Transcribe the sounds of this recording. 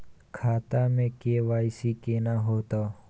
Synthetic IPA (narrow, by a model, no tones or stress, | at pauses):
kʰaːt̪amẽkeʋaːɪsikenaɦoːt̪aː